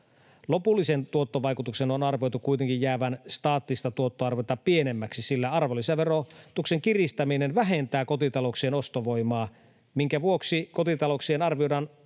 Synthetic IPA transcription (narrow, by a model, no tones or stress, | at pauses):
lopulːisent̪uot̪ːoʋɑikut̪uksenonɑrʋiojt̪ukuit̪eŋkijjæːʋænst̪ɑːt̪ːist̪ɑt̪uot̪ːoɑrʋot̪ɑpienemːæksisilːæɑrʋolːiseʋerot̪ukseŋkirist̪ɑminenʋæɦent̪æːkot̪it̪ɑlokseːnost̪oʋo̞imɑː | miŋkæʋuoksiko̞t̪it̪ɑloksienɑrʋioɑn